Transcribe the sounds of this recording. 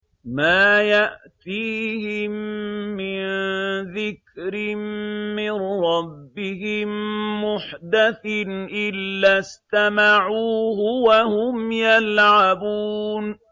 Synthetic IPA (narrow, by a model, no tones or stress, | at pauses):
maːjaʔt̪iːhɪmːɪnðɪkɾɪmmɪnɾɑbːɪhɪmːʊħd̪aθnʔɪlːast̪amaʕuːhʊwahʊmjalʕabuːn